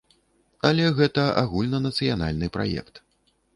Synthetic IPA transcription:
ɐlʲɛɣɛt̪ɐʔa̰ɣulʲnɐnɐt̪sɨjana̰lʲnɨpɾa̰jɛ̰kt̪

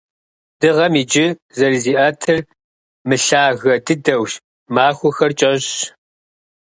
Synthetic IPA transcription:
d̥ɨʁɐmiːd͡ʒɪzɐrziːʔɐtʰɨr | mɨɬaːɣɐdɨdɐwʃ | maːxʷʊxɐrt͡ʃʼɐʑ

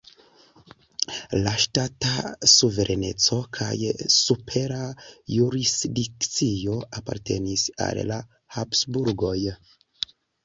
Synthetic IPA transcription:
laʃtatasuve̞ɾʔene̞t͡so̞kʰa̰jsupʰe̞ɾajuɾisdikt͡sio̞apa̰ɾte̞̰nisa̰lla | hapsbuɾɡo̞j

